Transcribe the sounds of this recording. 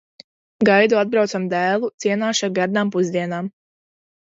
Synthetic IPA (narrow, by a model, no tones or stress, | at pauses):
ɡajd̪uad̪̚bɾawt̪samd̪æːlˠut̪siɛnaːʃaɾɡaɾd̪aːmpuzd̪iɛnaːm